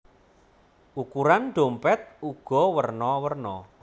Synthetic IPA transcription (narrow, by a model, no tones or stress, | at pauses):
ʔukuɾanɖ̥o̤mpɛt̪̚uɡ̥ɔ̤wərnɔwərnɔ